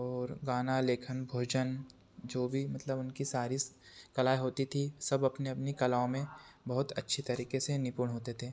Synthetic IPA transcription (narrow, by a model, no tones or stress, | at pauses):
ɔːɾɡaːnaleːkʰənbʱoːd͡ʒən | d͡ʒoːbʱimɐt̪ləbʊnkisaːɾiskɐlaːeɦoːt̪it̪ʰisɐbɐpneɐpnikɐlaːõmẽbɐɦʊt̪ɐtːʃʰit̪ɐɾiːkesenɪpuːɽ̃ɦoːt̪et̪ʰeː